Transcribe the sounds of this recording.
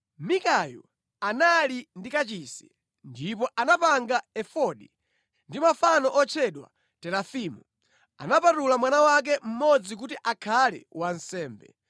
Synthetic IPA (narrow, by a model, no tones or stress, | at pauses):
mikajṵ | analindikat͡ʃisi̥ | ndipɔʔanapaŋɡaɛfɔɗi | ndimafanɔʔɔt͡ʃʰɛɗwa̰ | tɛlafimu | a̰napatulamwanawak̬ɛm̩mɔd͡zik̬utiʔakʰalɛ̰wan̩sɛːmbɛ̰